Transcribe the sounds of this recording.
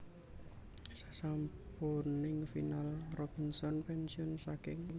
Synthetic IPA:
sḁsamponɪŋfinalrɔb̥insɔnpɛnsiɔnsakɪŋ

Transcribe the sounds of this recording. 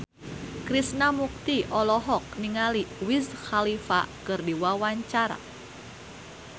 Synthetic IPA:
kɾisnamuk̚t̪iʔɔlɔɦɔk̚niŋaliwizxalifa̰kɨrdiwawaɲt͡ʃaɾa̰

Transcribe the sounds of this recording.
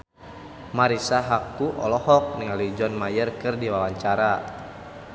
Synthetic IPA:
maɾisaɦakuʔɔlɔhɔk̚niŋalud͡ʒɔnmajərkɨrdiwawaɲt͡ʃaɾa

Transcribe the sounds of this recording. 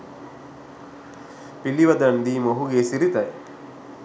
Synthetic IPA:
piliʋɐd̪and̪iːmoɦuɡeːsiɾit̪ɐj

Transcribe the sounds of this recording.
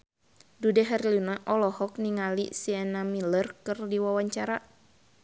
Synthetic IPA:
dudɛɦɛrlinaʔɔlɔhɔk̚niŋalḭsianamilərkɨrdiwawaɲt͡ʃaɾa

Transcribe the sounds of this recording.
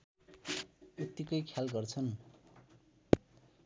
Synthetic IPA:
ut̪ikʌjkʰjalɡʌrt͡sʰʌn

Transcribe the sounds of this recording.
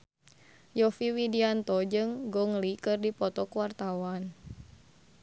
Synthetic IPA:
jɔfiwidiant̪ɔd͡ʒɨŋɡɔŋlikɨrdipɔt̪ɔkwart̪awan

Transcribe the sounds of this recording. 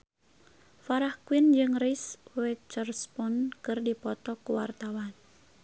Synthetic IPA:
faɾahkwind͡ʒɨŋriswɛt͡ʃərspɔnkɨrdipɔt̪ɔkuwart̪awan

